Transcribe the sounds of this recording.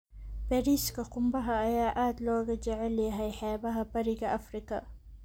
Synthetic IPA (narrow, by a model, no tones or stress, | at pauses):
pɛɾiskɐqʊmbɐɦɐɐjaːʔaːd̪lɔːɡɐd͡ʒɛʕɛlɛɦɐjħɛːbɐɦɐbɐɾiɡɐʔɐfɾikɐ